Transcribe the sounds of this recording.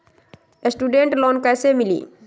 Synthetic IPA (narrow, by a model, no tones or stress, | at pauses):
esʈuːɖẽɳʈloːnkɛːsemɪlḭː